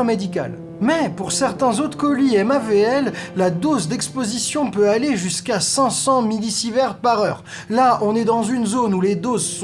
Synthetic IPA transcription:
ɛ̃med̪ika̰l | mɛpuʁsɛʁt̪ɛ̃zot̪χkɔliɛmaveɛlːad̪ozd̪ɛkspozisjɔ̃pøaleʒyskasɛ̃sɑ̃milisivɛʁpaʁœ̰ːʁ | laʔɔ̃nɛd̪ɑ̃zynzonuled̪ozs

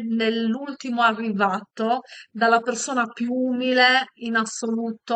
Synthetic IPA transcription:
nelːult̪imoarːivaːt̪od̪alːapersoːnapjuuːmileinasːoluːt̪o

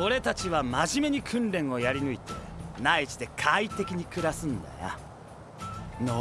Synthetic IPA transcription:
o̞ɾe̞t̪at͡ɕiβamaʑime̞ɲ̟ikʰɯ̟̃nɾẽ̞ɰ̃o̞jaɾʲinɯ̟it̪e̞̰nait͡ɕi̥t̪e̞kʰait̪e̞kʲiɲ̟ikɯ̟ɾasɨ̃nd̪a̰ja̰ | no

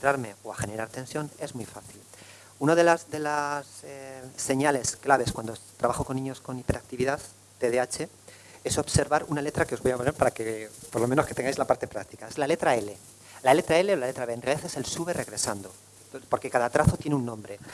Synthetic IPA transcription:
t̪ɾaɾme̞oaxe̞ne̞ɾaɾt̪e̞nsjo̞ne̞zmujfaθil | unaðe̞lazðe̞laseːe̞ɲale̞sklaβe̞skwand̪ot̪ɾʔaβaxo̞ko̞nːĩɲo̞sko̞nipe̞ɾak̚t̪iβiðað | t̪eðeat͡ʃe̞ | e̞so̞βse̞ɾβaɾunale̞t̪ɾakeo̞zβojaponeɾpaɾakepoɾlo̞meno̞sket̪e̞ŋɡajzlapaɾt̪e̞pɾak̚t̪ikae̞zlale̞t̪ɾae̞le̞ | lale̞t̪ɾae̞le̞olale̞t̪ɾaβe̞ːnrealiðaθe̞selsuβe̞re̞ɣɾe̞sand̪o | po̞ɾke̞kaðat̪ɾaθo̞t̪jeneunːõ̞mbɾe̞

